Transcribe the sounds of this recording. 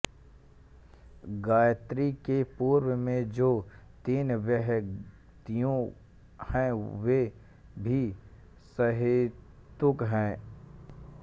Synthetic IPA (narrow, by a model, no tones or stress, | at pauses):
ɡaːjt̪ɾikepuːɾwəmẽd͡ʒoːt̪iːnʋjəɦ | t̪ijõ | hɛ̃we | bʱi | səɦeː | t̪ʊkɦɛ̃ː